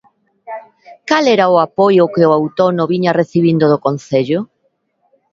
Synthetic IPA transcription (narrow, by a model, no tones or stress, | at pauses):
kalɛɾaʊapojʊkɪʊawt̪onʊβiɲareθiβ̞ind̪oðokon̟θeʎʊ